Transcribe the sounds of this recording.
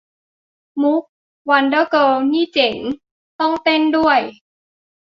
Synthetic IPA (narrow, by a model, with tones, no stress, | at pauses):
mu˦˥k̚ | wa˧ndɤː˥˩kɤː˧niː˥˩t͡ɕe˩˦n | t̪ɔ˥˩ŋt̪e˥˩ndu˥˩əj